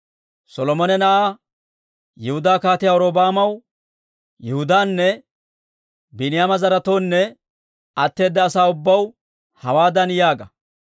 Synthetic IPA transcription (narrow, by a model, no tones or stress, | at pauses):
sɔlɔmɔnɛnɐʔaː | jɛhʊd̪aːkaːt̪ɪjaːɔɾoːbaːmɐw | jɛhʊd̪aːnːɛ | bɪnɪjaːmɐzɐɾɐt̪o̞ːnːɛ | ɐt̪ːe̞ːd̪ːɐːsaːʊbːɐw | hɐwaːd̪ɐnjaːɡɐ